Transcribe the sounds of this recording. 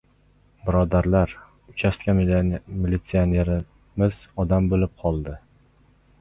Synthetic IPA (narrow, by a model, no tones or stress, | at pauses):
bɪɾɒd̪aɾlaɾ | ʊt͡ʃʰast̪̚kʲamilit̪sione̞ɾɪ | mɪz̥ɒd̪ambolɪp̚qʰɒlˠd̪ɪ